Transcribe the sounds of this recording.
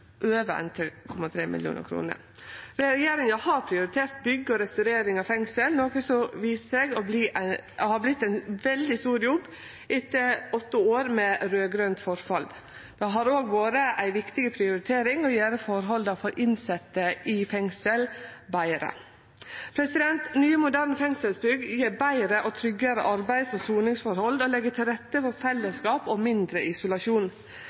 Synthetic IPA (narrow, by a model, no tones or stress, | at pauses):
ʔøːʋəɛ̰nt̪ʰɾkʰɔmɑt̪ʰɾeːmʔɪ̰ljṵːnə̰ɾkʰɾṵːnə̰ɾ | ɾɛɾɛjeːɾɪŋɑhɑɾpʰɾɪʊɾɪt̪ʰeːɾt̪̚bʏɡːəɔɾɛst̪ʉɾeːɾɪŋɑfɛŋsəlnoːkəsɔʋiːsəsɛɡɔbliːʔæhɑblɪt̪ːæɪnʋɛld̪ɪst̪uːɾjɔbː | ʔɪt̪ːəɔt̪ːəoːɾmɛɾøːɡɾœnt̪fɔɾfɑld̪ | d̪̥ɛɦɑɾoːɡʋoːɾəʔæɪʋɪkt̪ɪɡəpʰɾɪʊɾɪt̪ʰeːɾɪŋɔjeːɾəfɔɾɦɔld̪ɑfɔɾʔɪnsɛt̪ːəɪfɛŋsəlbæɪɾə̰ | pʰɾɛsɪd̪ɛnt̪nyːəmʊd̪æɾɳfɛŋsəlsbʏɡjeːɾbæɪɾəʔɔt̪ʰɾʏɡəɾə̰ʔɑɾbæɪsɔsuːnɪŋsfɔɾhɔld̪ɔlɛɡːət̪ʰɪlɾɛt̪ːəfɔɾfɛlːəskɑːpɔmɪnd̪ɾəʔɪsʊlɑʃuːn